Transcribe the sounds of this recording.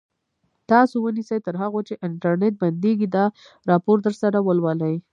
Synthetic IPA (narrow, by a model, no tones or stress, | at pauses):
t̪ɑsowənisəjt̪əɾɦaɣot͡ʃeʔɪɳʈaɾneʈ̚band̪eɡid̪ɑ | ɾɑpoɾd̪əɾsaɾawəlwaləj